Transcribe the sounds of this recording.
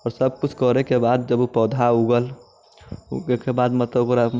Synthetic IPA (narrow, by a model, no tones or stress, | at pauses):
ɔːɾsəb̚kut͡ʃʰkɔɾekebad̪̚d͡ʒəbupɔd̪ʱauɡəl | ukebad̪mət̪ləbokɾa